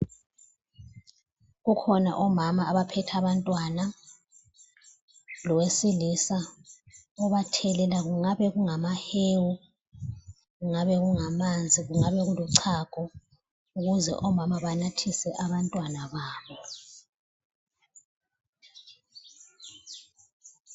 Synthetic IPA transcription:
ɣukʰɔna̰ʔɔmamaːβapʰɛtʰaβantʼwana | lɔwesilisa | ɔβatʰɛlɛlaɣuŋaβɛɣuŋamaheːwu | ɣuŋaβɛɣuŋamand͡zʱiɣuŋaβɛɣulɔǀʰaɡ̥ʱɔ | uɣuzɛ̰ʔɔmamaβanatʰisɛʔaβantʼwanaβaːβɔ

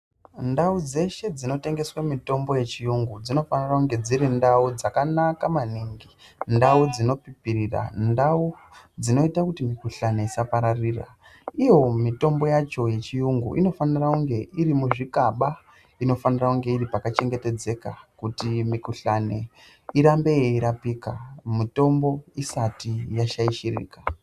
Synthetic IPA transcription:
ndaud͡ze̞ʃe̞d͡zino̞te̞ŋɡe̞swamito̞mbo̞je̞t͡ʃijuŋɡud͡zino̞fanirakuŋɡe̞d͡ziɾindaud͡zakanakamaniŋɡindaud͡zino̞pipirira̰ndau | d͡zino̞itakutimikuɬane̞isapaɾariːra̰ | ijo̞mito̞mbo̞jat͡ʃo̞je̞t͡ʃijuŋɡṵʔḭno̞fanirakuŋɡe̞ʔiɾimuʐikaɓa | ino̞fanirakuŋɡe̞iripakat͡ʃe̞ŋɡe̞te̞d͡ze̞kakutimikuɬane̞ | iɾambe̞jeiɾapiːkamito̞mbo̞isatijaʃaiʃirḭːka

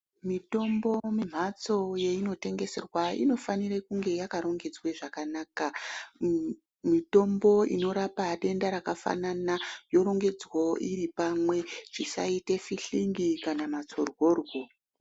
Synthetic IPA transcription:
mito̞mbo̞mim̤at͡so̞jeino̞te̞ŋɡe̞se̞̰rwaḭno̞fanirekuŋɡe̞jakaɾo̞ŋɡe̞d͡zweʐakanaːka | mito̞mbo̞ḭno̞ɾapaɗe̞ndaɾakafa̰nanajo̞ɾo̞ŋɡe̞d͡zwoiɾipamwe̞ʐ̥isa̰itefiɬiŋɡikanamat͡so̞rwo̞ːrwo

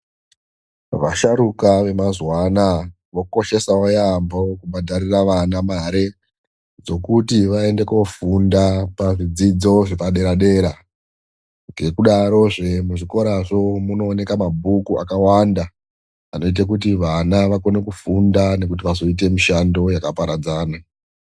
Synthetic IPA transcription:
ʋaʃaɾukaʋe̞mazwana | ʋo̞ko̞ʃe̞sawojambo̞kubadʱaɾiraʋanamaɾe̞ | d͡zo̞kutiʋae̞nde̞ko̞fundapaʐid͡zid͡zo̞ʐepaɗe̞ɾaɗe̞ːɾa | ŋɡe̞kuɗaɾo̞ʐe̞muʐiko̞ɾaʐo̞muno̞ːne̞kamabʱukuʔa̰kawanda | ano̞it̬ak̬utiʋanaʋako̞nekufundane̞kut̬iʋazo̞it̬e̞miʃando̞jakapaɾad͡zaːna

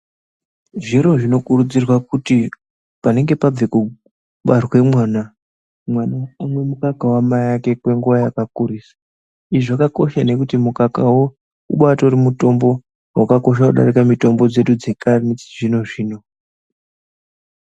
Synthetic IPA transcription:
ʐiɾo̞ʐino̞kurud͡zirwakuti | pane̞ŋɡe̞pab͡veku | ɓarwe̞mwaːna | mwanaːmwe̞mukakawamajake̞kwe̞ŋɡuʋajakakuriːsḁ | iʐakako̞ʃane̞kutimukakawo | ṵɓatorimuto̞mbo̞ | wakako̞ʃ̬akuɗa̰rikamito̞mbo̞d͡ze̞ɗud͡ze̞kanit͡siʐino̞ʐiːno̞

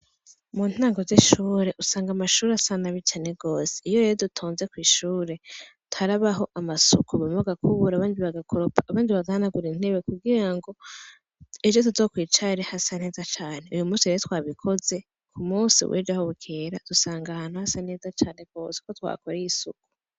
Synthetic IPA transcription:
muːn̥haːŋɡo̞ziʃuːɾe̞ʔusaːŋɡamaʃuːɾasanaβit͡ʃane̞ɡo̞ːse̥ijojeɾodutʰoːnze̞kwiːʃuːɾe̞ | tu̥aɾaβaɦo̞ʔamasukʰuβamoβaɡakʰuβuɾaβaːndiβaɡakʰoɾopʰḁːβaːndiβaɡahanaɡuɾinhe̞βekuɡiɾaŋɡo̞ | ed͡ʒotuzokwiːt͡ʃaɾehasane̞ːzat͡ʃaːne̞ujumuːsijejot̪waːβikʰo̞ze̞ | kʰumuːsḭwʔḛd͡ʒahoβukʰeːɾad̥usaːŋɡahaːnhuhasane̞ːzat͡ʃaːne̞ɡ̥o̞ːse̥kotwa̰koɾejisuku̥

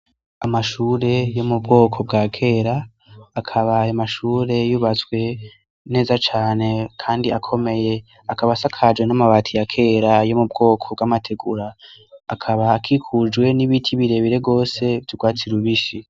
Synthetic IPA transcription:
amaʃuːɾe̞jo̞mubɡo̞ːkʰo̞b̚ɡakʰe̞ːɾaː | kʰaβaːjomaʃuːɾe̞juβat͡skwe̞ | ne̞ːzat͡ʃaːne̞kʰaːndiakʰo̞me̞je̞ | akaβasakʰad͡ʒwenamaβaːtʰijakʰe̞ɾajo̞mub̚ɡo̞ːkʰo̞bɡamatʰe̞ɡuɾaːkʰaβaːkʰikʰud͡ʒɡwe̞niβitʰiβiɾe̞βiɾe̞bɡo̞ːse̞vdiɡwaːt͡siɾuβiʃi

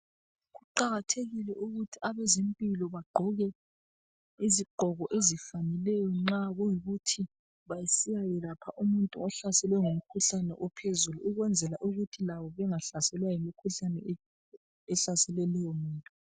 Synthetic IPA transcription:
ɣuǃaɣatʰeɣilɛʔuɣutʰiaβezimpʼilɔβaɡ͡ǃʱɔɣɛ | iziɡ͡ǃʱɔɣɔʔezifanilɛjɔŋ͡ǁaɣujiɣutʰi | βajisijajɛlapʰaʔumuntʼuɔɬasɛlɛɔŋumukʰuɬanɛ̰ʔɔpʰezuluuɣwɛnd͡zʱɛlaʔuɣutʰilaβɔβɛŋaɬasɛlwajimikʰuɬanɛ̰ | ɛɬasɛlɛlɛjɔmuːntʼu

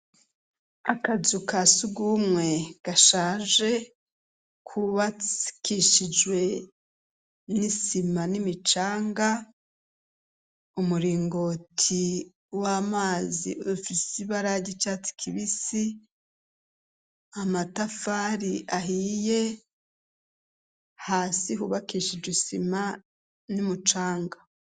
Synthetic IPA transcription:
akazukasuɡumŋe̞ɡ̥aʃaːʒe̞ | kʰuβat͡si̥kiʃid͡ʒwe̞ | nisimanimit͡ʃaːŋɡa | umuɾiːŋɡo̞tʰi | wamaːzḭfisiβaɾaɟit͡ʃat͡si̥kʰiβisi | amatafaɾiaɦije | haːsiɦuβakiʃid͡ʒwesima | nimut͡ʃaːŋɡa

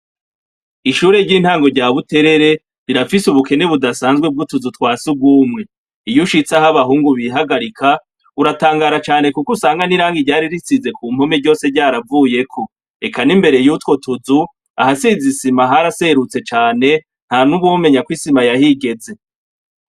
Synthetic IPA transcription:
iʃuːɾe̞ɾɟiːn̥haːŋɡo̞ɾɟaːβute̞ɾe̞ɾe̞ | ɾiɾafisuβuke̞ne̞βudasaːnzɡwebɡutuzutkwaːsub̚ɡuːmŋe̞ | ijuʃit͡sahaβaɦuːŋɡuβiɦaɡaɾikʰa | uɾataːŋɡaːɾat͡ʃaːne̞kukusaːŋɡaniɾaːŋɡiɾɟaːɾiɾit͡size̞kuːm̥ho̞meɾɟo̞ːse̞ɾɟaːɾavuːje̞kʰo̞ | e̞kʰanimbe̞ɾe̞juːtwo̞tuzu | a̰hasizisimaɦaɾase̞ɾut͡se̞t͡ʃaːne̞ | n̥hanuβume̞ɲakwisimajahiɡe̞ze̞

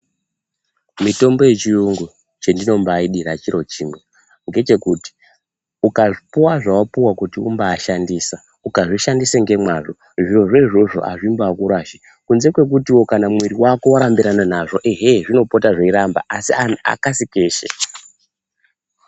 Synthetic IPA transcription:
mito̞mbo̞je̞t͡ʃijuŋɡu | t͡ʃendino̞mbaiɗiɾat͡ʃiɾo̞t͡ʃiːmwe̞ | ŋɡe̞t͡ʃe̞kuti̥ | ukaʐipuwaʐawapuwakutiumbaːʃandiːsa | ukaʐiʃandiseŋɡe̞mwaʐo | ʐioʐeiʐo̞ʐo̞̰ʔa̰ʐimbakuɾaʃi | kunze̞kwe̞k̬utiwo̞kanamwiɾiwako̞waɾambiɾananaʐo̞ʔeɦeʐino̞po̞taʐeiɾamba̰ʔasiana̰kasikeːʃḛ

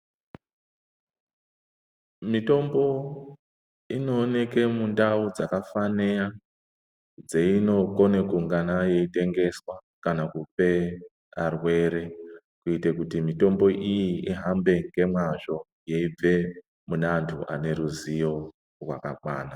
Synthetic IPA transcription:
mito̞mbo̞ | ino̞ːne̞ke̞mundaud͡zakafanea | d͡zeino̞ko̞nekuŋɡanaje̞ite̞ŋɡe̞swa | kanakupe̞ | arwe̞ɾe̞ | kuitekutimito̞mbo̞ʔijiiɦambe̞ŋɡe̞mwaʒo̞ | jeib͡ve̞ | munantʰuʔa̰ne̞ɾuzijo̞ | rwa̰kaɓwaːna

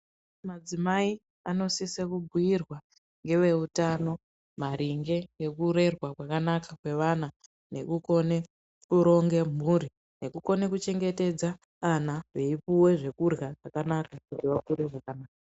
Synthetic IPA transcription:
mad͡zimai | ano̞sisekubʱujirwa | ŋɡe̞ʋe̞utano̞ | maɾiŋɡe̞jekuɾe̞rwakwakanakakwe̞ʋana | ne̞̰kuko̞ne̞ | kuɾo̞ŋɡe̞m̤uɾi | ne̞kuko̞ne̞kut͡ʃe̞ŋɡe̞te̞d͡zaː | naʋe̞ipuwe̞ʐe̞kurɣaʐakanakakutiʋakuɾeʐakanaːka

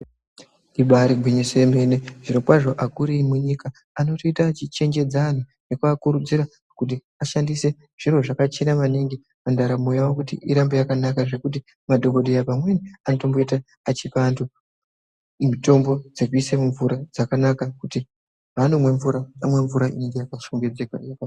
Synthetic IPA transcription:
iɓaɾiɡʱwiɲiseme̞neʐiɾokwaʐo̞ʔakuɾimuɲikaː | no̞toitaːt͡ʃit͡ʃe̞ŋd͡ʒe̞d͡zaːn̤u | ne̞kuakuɾud͡ziɾa | kut̬i | aʃandise̞ | ʐ̥iro̞ʐakat͡ʃenamaniŋɡi | mandaɾamojawakutḭʔiɾambojakanakaʐe̞kuti | madʱo̞ko̞ɗejapamwenianoto̞mboitaː | t͡ʃipantʰu | mito̞mbo̞d͡ze̞k̬uisemuɱvuɾad͡zakanakakuti | ɦanumwe̞ɱvuɾaamwe̞ɱvuɾaʔine̞ŋɡe̞jakaʃoŋɡe̞d͡zeka̰jaka

